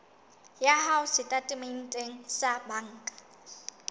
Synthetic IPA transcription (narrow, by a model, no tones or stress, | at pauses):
jahaʊsɪtʼatʼɪmen̩tʼeŋ̩sabaŋ̩ːkʼḁ